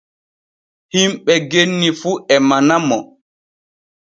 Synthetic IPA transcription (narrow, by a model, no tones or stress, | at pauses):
himɓɛɡenːifuʔɛmanamɔ